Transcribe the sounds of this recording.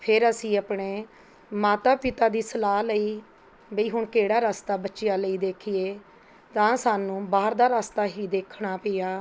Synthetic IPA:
pʰɪɾəsĩːəpɳeː | maːt̪aːpɪt̪aːd̪iːsəlaːləiː | bəiːɦʊɳkeːɽaːɾaːst̪aːbətːʃɪjaːləiːd̪eːkʰɪeː | t̪ãːsaːnũːbaːəɾd̪aːɾaːst̪aːɦiːd̪eːkʰɳaːpɪjaː

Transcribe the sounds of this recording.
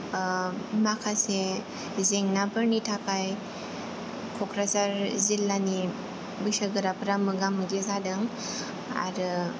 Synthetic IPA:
makʰase | zeŋnabɯɾnitʰakaj | kʰokɾazaɾzilːani | bɯsaɡɯɾapɾamɯɡamɯɡezadɯŋ | a̰ɾɯ

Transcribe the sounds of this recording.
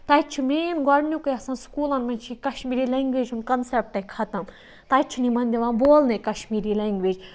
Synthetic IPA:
t̪ɐjt͡ʃʰimeːnɡɐɾnʲjukɐjɐsãːnskuːlɐnmɐnt͡ʃʰikɐʃmiːɾiːlẽːŋɡʋeːd͡ʒunkɐnsep̚ʈɐkʰɐt̪ɐm | t̪ɐjt͡ʃʰunimɐnd̪iʋãːnboːlnekɐʃmiːɾileːŋɡʋeːd͡ʒ

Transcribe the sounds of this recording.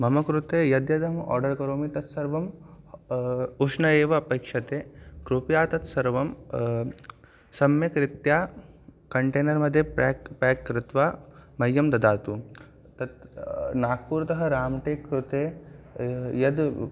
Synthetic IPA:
mɐmɐkɾut̪eːjɐd̪jɐd̪ɐmɔ̰ːɾɖɐɾkɐɾoːmit̪ɐt̪sɐɾʋɐm | uʂnɐeːʋɐːpɐːkʂɐt̪eːkɾupjaːt̪ɐt̪sɐɾʋɐm | sɐmjɐkɾɪt̪jaːkɐɳʈeːnɐɾmɐd̪ʱjɐpaːkːɾɪt̪ʋaːmɐjːɐmd̪ɐd̪aːt̪u | t̪ɐt̪naːk̚puːɾt̪ɐɦɐɾaːmʈeːkɾut̪eː | jɐd̪

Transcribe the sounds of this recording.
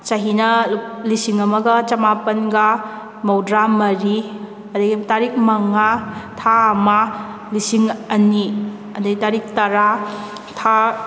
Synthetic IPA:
t͡ʃɐɦinɐlisiŋɐmɐɡɐt͡ʃɐmapɐnɡa | mowdɾamɐɾi | ɐdɐɡitaɾik̚mɐŋːatʰaːma | lisiŋɐni | ɐdɐɡitaɾik̚tɐɾa | tʰa

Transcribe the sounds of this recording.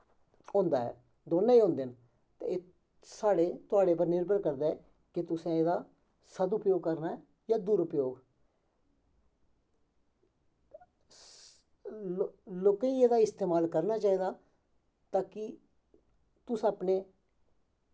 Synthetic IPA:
õːnd̪aːɦɛ̰ː | d̪oːnãːiːɦõːnd̪en | t̪ḛeː | saːɽeːt̪ʊaːɽeːp̬əɾnɪɾbəɾkəɾd̪eːɛ | kɪt̪ʊsẽːeːd̪aː | səd̪ʊpjoːɡ̚kəɾna | jaːd̪uːɾʊpjoːɡ | loːkãːiːeːd̪aːɪst̪eːmaːlkəɾnaːt͡ʃaːiːd̪aː | t̪aːkɪ | t̪ʊsəpneː

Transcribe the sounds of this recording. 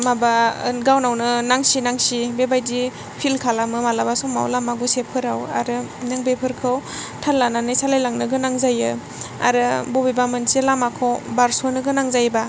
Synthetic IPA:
mabaɡawnawnɯnaŋsinaŋsibebajdi | pʰilkʰalamɯmalabasɔma̰wlamaɡusepʰːɯɾawa̰ɾɯnaŋbepʰɯɾkʰɯwtʰalːananɯjsalajlaŋnɯɡɯnaŋzajɯ | a̰ɾɯbobibamɯnselamakʰɔwbaɾsonɯɡɯnaŋzajba

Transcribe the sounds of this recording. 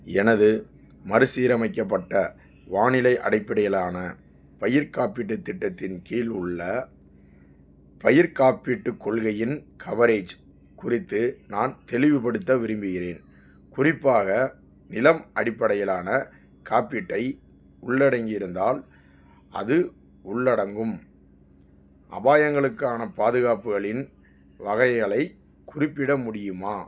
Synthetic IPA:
ɛnɐðɯ | mɐɾɯsiːɾɐmɐɪk̬ːɐpːɐʈːɐ | ʋaːnɪlɐɪʔɐ̰ɽɐɪpːɐɽɐjɐlaːnɐ | pɐjɪɾkaːpɪʈːɯt̪ːɪʈːɐt̪ːɪnkiːlʊɭːɐ | pɐjɪɾkaːpiʈːɯkːɔɭɣɐjɪnkʰɐʋɐɾeːd͡ʒ | kʊrɪt̪ːɯnaːnt̪ɛlɪʋɯpɐɽɯt̪ːɐʋɪɾɯmbɯɣɪɾeːn | kʊrɪpːaːɣɐ | nɪlɐmʔɐɽɪpːɐɽɐjɪlaːnɐ | kaːpːɪʈːɐɪ | ʊɭːɐɽɐŋɡɪɪɾɯnd̪aːl | ʔɐ̰ðɯ | ʊɭːɐɽɐŋɡɯm | ʔɐ̰baːjɐŋɡɐɭɯkːaːnɐpaːðɯɣaːpɯɣɐɭɪn | ʋɐɣɐjɣɐɭɐɪ | kːʊrɪpːɪɽɐmʊɽɪjɯmaː

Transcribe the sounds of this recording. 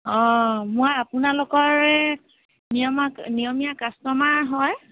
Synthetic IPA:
ɔ̃mʊajapunalokɔɹɛ | nijɔmanijɔmijakastɔmaɦɔj

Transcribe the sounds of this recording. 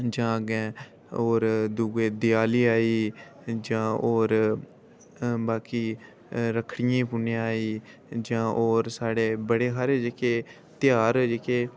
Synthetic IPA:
d͡ʒãːɡɛ̃ː | oːɾd̪uːɡeːd̪ɪjaːliːaːiː | d͡ʒãːoːɾ | baːkiː | ɾəkʰɽɪjãːpuːnẽaːiː | d͡ʒãːʔoːɾsaːɽeːbəɽeːɦaːɾeːd͡ʒekeː | t̪ɪjaːɾd͡ʒekeː

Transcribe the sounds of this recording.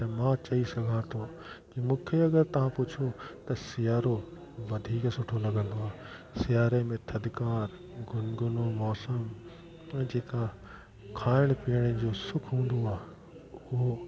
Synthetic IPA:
t̪ɐmãt͡ɕɐisɐɡʱãt̪ʰo | d͡ʑimũːkʰeɐɡəɾt̪ɐʋ̤ãpʊt͡ɕʰot̪ɐsɪjaːɾo | ʋɐd̪ʱiːksʊʈʰolɐɡʱə̃nd̪oaːsɪjaːɾemẽt̪ʰɐd̪kaːɾ | ɡʱʊnɡʊnomɔːsəm | d͡ʑeːka | kʰaːɪɽ̃piəɽ̃əd͡ʑoːsʊkʰɦũːnd̪oaːɦ | ʊɦo

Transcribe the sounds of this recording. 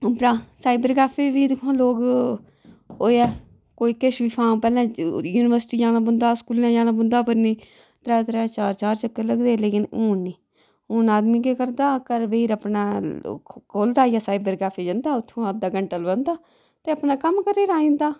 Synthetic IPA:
ʊpɾãːsaːibəɾkaːpʰeːʋiːd̪ɪkʰãːloːɡ | oːɛː | koːiːkeʃʋiːpʰaːmpɛːlãːjuːnɪʋəɾsʈiːd͡ʒaːnãːbʊnd̪aːskuːlãːd͡ʒaːnãːbʊnd̪aːpəɾniː | t̪ɾɛːt̪ɾɛːt͡ʃaːɾt͡ʃaːɾt͡ʃəkːəɾləɡd̪eːleːkɪnuːniː | uːnaːd̪miːk̬eːkəɾd̪aːkəɾʋeːɾəpnaː | kʰoːld̪aːjaːsaːibəɾkaːpʰeːd͡ʒənd̪aːʊt̪ʰːõːəd̪aːɡəɳʈəlbə̃nd̪aː | t̪eːəpnaːkəmkəɾeːɾaːĩːnd̪aː

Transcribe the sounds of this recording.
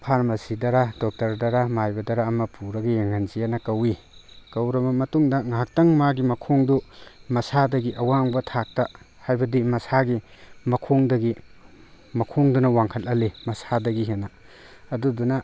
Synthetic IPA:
pʰaɾmɐsidɐɾadɔk̚tɐɾdɐɾamajbɐdɐɾaːmɐpʰuɾɐɡijaŋanzijanɐkɐwi | kɐwɾɐmɐmɐtuŋdɐŋaak̚tɐŋmaɡimɐkʰoŋdumɐsadɐɡiʔɐwaŋbɐtʰak̚tɐ | hajbɐdimɐsaɡimɐkʰoŋdɐɡi | mɐkʰoŋdunɐwaŋkʰɐtɐlimɐsadɐɡiɦenaː | dudunɐ

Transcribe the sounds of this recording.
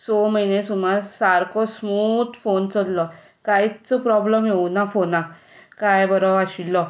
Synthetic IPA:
sɔməɦinẽsumaɾsaɾkʰɔsmut̪font͡sɔllɔ | kait͡sɔpɾɔbləmjeunafona | kajbəɾɔaɕilːɔ

